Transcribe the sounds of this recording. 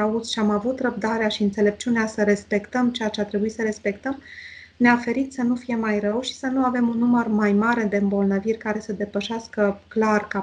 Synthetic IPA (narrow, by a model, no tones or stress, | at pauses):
aut̪sʃiamavut̪rəb̚d̪aɾeaʃiɨnt̪sele̞p̚t͡ʃuneasəɾe̞spe̞kt̪əmt͡ʃejat͡ʃeat̪ɾe̞buisəɾe̞spe̞kt̪əm | neafe̞ɾit̪sən̪ufije̞majrəwʃi̥sənuave̞munːumərmajmaɾe̞d̪e̞ɨmbo̞lnəvirʲkaɾe̞səd̪e̞pəʃeaskəklarka